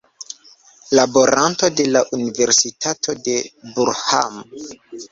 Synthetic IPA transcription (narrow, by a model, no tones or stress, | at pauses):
labo̞ɾʔanto̞de̞laʔunive̞ɾsitʰatʰo̞de̞buɾha̰m